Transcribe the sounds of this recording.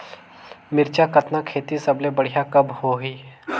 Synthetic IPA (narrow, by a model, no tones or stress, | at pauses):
mɪɾt͡ʃakɐt̪nakʰeːt̪isɐblebɐɽ̤jakɐbhoɦiː